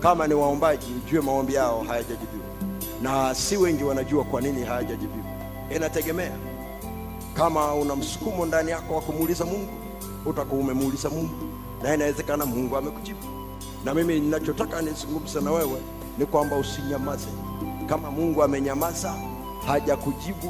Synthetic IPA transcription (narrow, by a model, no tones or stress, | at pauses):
kamaniwaɔmbaʄid͡ʒuɛmaɔmbijaɔhajaʄaʄiviwa̰ | nasiwɛŋɡiwanaʄuakwaniniɦaaʄaʄiviwa | ɛnatɛɡɛmɛa̰ | kamaunam̩su̥kumɔndanijakɔwakumuːlizamuŋɡu | utakɔːmɛmuːlizamuŋɡu | naɛnawɛzɛkanamuŋɡuamɛkud͡ʒibu | namimininat͡ʃɔtakanisuuluku̥sɛnawɛwɛ | nikwambausiɲamazɛ | kamamuŋɡuamɛɲamaza | haʄakud͡ʒibu